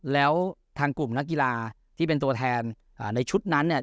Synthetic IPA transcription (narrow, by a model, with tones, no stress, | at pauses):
lɛː˦˥wt̪ʰaː˧ŋku˨˩mna˦˥k̚ki˧laː˧ | t̪ʰiː˥˩pe˧nt̪u˧ɐt̪ʰɛː˧n | ʔaː˨˩na˧jt͡ɕʰu˦˥t̪̚na˦˥nːi˥˩